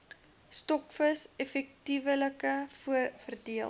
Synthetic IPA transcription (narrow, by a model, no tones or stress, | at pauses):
stɔkfəsɛfɛk̚tivələkəfuəfərdiəl